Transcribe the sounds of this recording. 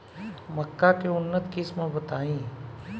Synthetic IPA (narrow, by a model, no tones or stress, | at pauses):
məkːakeʊnːət̪kɪsmə̃bət̪aːĩː